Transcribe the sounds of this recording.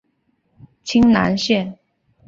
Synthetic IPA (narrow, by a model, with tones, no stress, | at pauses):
t͡ɕʰi˥ŋna˧˥nɕjɛ˥˩n